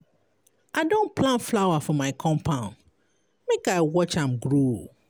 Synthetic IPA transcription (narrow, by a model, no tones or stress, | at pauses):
ʔaɪdõnpʰlãnflaʊwafɔmaɪkʰɔ̃mpʰãʊ̃n | mekaɪwɔt͡ʃãmɡɹo